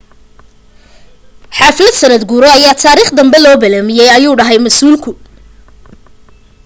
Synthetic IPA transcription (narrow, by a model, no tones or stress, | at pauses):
ħaːfɪlɐd̪sɐnɐd̪ɡuːɾɔɐjaːt̪ʰaːɾiːχd̪ɐmbɛlɔːbɐlaːmɪjɛjɐjuːɖɐɦɛjmɐsuːlkʰʊ